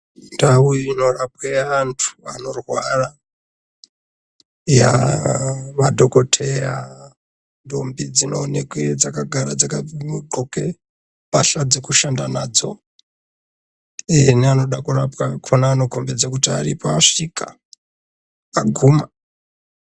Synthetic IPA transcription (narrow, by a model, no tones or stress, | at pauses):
ndauino̞rap̚weantʰu̥ano̞rwara | ja̰ | ʋadʱo̞ko̞tʰera | ndombid͡zino̞ːnekwed͡zakaɡʱaɾad͡zakaɡoke | paɬad͡zekuʃandanad͡zo̞̰ | eneano̞ɗakurapwakʰonaːno̞kombed͡zakutiarḭpaʂika̰ | aɡʱuːma